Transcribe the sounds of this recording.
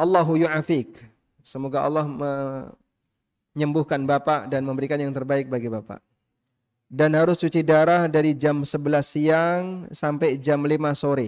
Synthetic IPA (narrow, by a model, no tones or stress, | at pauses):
ʔɑlːɑɦujuʕafik̚ | səmoɡaʔɑ̰lːɑhmə | ɲəmbʊhkanbapaʔdanməmbəɾikanjaŋt̪ərbaɪk̚baɡibapa̰ʔ | danhaɾʊsːut͡ʃidaɾahdaɾid͡ʒamsəbəlasiaŋsampajd͡ʒamlimasoɾɪ